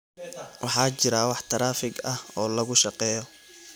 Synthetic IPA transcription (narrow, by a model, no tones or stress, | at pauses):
wɑħɑːt͡ʃɪɾawɑħt̪ʰɐɾaːfɪɡɐhɔːlɐɣʊʃɑqɛːjɔ